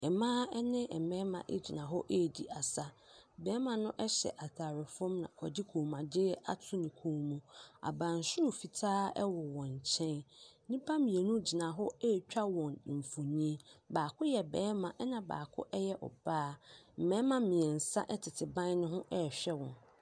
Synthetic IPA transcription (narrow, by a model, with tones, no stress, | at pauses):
ɛ˨mã˦ɛ˦nɪ̃˦ɛ˨mɛ̃˦mã̰˨ʔḛ˦d͡ʑi˨nã˨ɦɔ˦ʔe˦˨di˨ʔa˨sa˦ | bɛː˨˦mã˨nʊ̃˦ʔɛ˦ɕɛ̰˨ʔa˨tʰaː˨ɾɪ˨fɔ̃˦mnã̰˨kʰɔ˨dɪ˦kʰu˨mã˨dɪ˦a̰˦tʰʊ˦nɪ̃˨kʰũː˦mũ˨a̰˨bã˨n̩˨sʊ˦˨fi˨tʰaː˦ɛ̰˦wɔ˨wɔ̃˨ɲ˨t͡ɕʰɛ̃˦n˦nĩ˦pʰã˦mĩ˨e˨nũ˦d͡ʑi˨nã˨ɦɔ˦e˦˨t͡ɕᶣa˦wɔ̃˨n˨m̩˨fu˨ɲĩ˦baː˨kʰʊ˦jɛ˨bɛː˨˦mã˨ʔɛ˦nã˨ba̰ː˨kʰʊ̰˦ʔɛ˦jɛ˦ʔɔ̰˨b̥aː˦m̩˨mɛ̃˦mã˨mĩ˨ɛ˨n̩˨sa̰˦ʔɛ˦tʰɪ˨tʰɪ˨bã˦n˦nʊ̃˦ɦʊ̃˦ʔɛ˦˨ɕᶣɛ˦wɔ̰̃˨n